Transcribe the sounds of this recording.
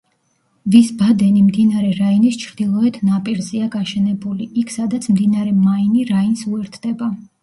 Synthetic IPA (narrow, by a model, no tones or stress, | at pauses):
visbad̪ɛnimd̪inaɾɛɾainist͡ʃʰɾd̪ilˠɔɛt̪ʰnapʼiɾzɛaɡaʃɛnɛbuliikʰsad̪at̪sʰmd̪inaɾɛmainiɾainsuɛɾt̪ʰd̪ɛba